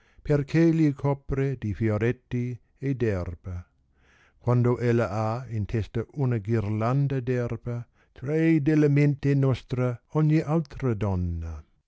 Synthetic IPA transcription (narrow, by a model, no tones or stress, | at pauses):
pʰeɾkʰelikʰɔpɾedifjoɾɛtːi | edɛrb̥ɐ | kʰwandoʔɛlɐʔaɪnt̪ʰɛstɐʔunɐɡiɾland̪ɐdɛrbɐ | t̪ʰɾejdeləmentenɔst̪ɾəɔnjeʔalt̪ɾədɔnːɐ